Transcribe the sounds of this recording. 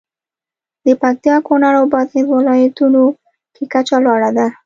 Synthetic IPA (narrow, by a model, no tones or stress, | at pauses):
d̪əpak̚t̪jɑkonaɾawbɑd̪ed̪wɪlɑjat̪uno | kekat͡ʃalwɑɽad̪a